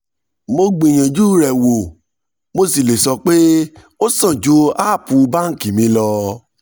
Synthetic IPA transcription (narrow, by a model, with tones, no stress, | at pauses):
mo˧ɡ͡bi˨j̃ã˨d͡ʒu˦ɾɛ˨wo˨ | mo˧si˦˨le˨sɔ˧k͡pe˦ | o˦sã˦˨d͡ʒo˨˦a˦˨pũ˨˧ba˦ŋ̩˦˨kĩ˨mĩ˨˦lɔ˧